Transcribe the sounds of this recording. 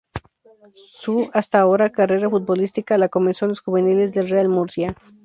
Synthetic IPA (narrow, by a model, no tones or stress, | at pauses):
suast̪ao̞ɾakare̞ɾafut̪̚bo̞list̪ikalako̞mensjonosxuβe̞nile̞zðe̞lrealmuɾsja